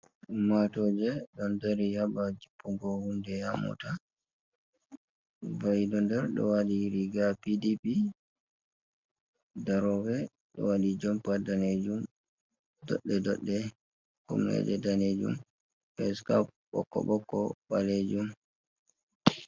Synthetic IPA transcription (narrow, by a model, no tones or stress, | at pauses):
matɔd͡ʒɛɗɔndaɾihabad͡ʒipːuɡɔhundɛhamɔ̰ta | bajdɔndɛɾɗɔ̰waɗiɾiɡapidipi | daɾɔwɛ | ɗɔ̰waɗid͡ʒɔmpadaned͡ʒum | dɔ̰ɗːɛdɔɗːɛ | kṵmnɛ̰d͡ʒɛdaned͡ʒṵm | pɛskap̚ɓɔ̰kːɔ̰ɓɔkːɔɓaled͡ʒum